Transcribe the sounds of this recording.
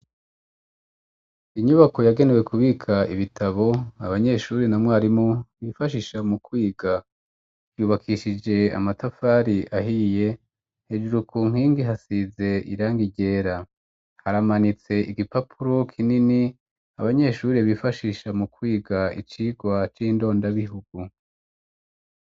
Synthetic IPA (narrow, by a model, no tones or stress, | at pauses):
iɲuβako̞jaɡe̞newe̞kʰuβikʰaiβitʰaβo̞aβaɲe̞ʃuːɾinamŋwaːɾimoβifaʃiʃamukwiːɡa | v̥juːβakʰiʃid͡ʒe̞a̰matafaːɾiʔaɦije̞ | hed͡ʒuɾukʰuːŋ̥hiːŋɡiɦasize̞ʔiɾaːŋɡiɟe̞ːɾa | haɾamanit͡se̞ʔiɡipapʰuɾo̞kʰinini | aβaɲe̞ʃuːɾeβifaʃiːʃamukwiːɡaḭt͡ʃiːɡwat͡ʃiːndo̞ːndaβiɦuɡ̥u